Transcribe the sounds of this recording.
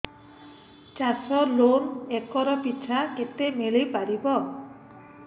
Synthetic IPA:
t͡ʃasɔlonɛkːɔɾɔpit͡ʃʰaket̪emelejpaɾibɔ

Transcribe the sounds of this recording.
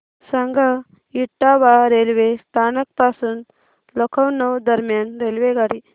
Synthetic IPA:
saŋɡʱa | iʈːaʋaɾelʋest̪ʰanək̚pasuːn | lɔkʰəwnəwd̪əɾmjanɾelʋeɡaɽi

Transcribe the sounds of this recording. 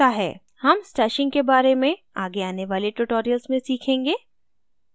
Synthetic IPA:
aɦɛ̰ː | hɐmsʈɛːʃɪ̃ŋɡkebaːɾemẽ | aːɡeaːneʋaːleʈuʈoːɾijəlzmẽsiːkʰẽːŋɡeː

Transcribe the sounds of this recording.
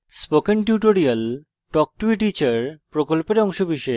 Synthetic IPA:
spokenʈjuʈoɾial | ʈɔk̚ʈuiʈit͡ɕaɾpɾokolpeɾɔŋʃobiʃe

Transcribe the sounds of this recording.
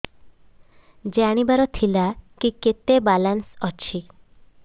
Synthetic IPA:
d͡ʒeaɽ̃ibaɾɔt̪ʰilakiket̪ebalansɔt͡ɕʰi

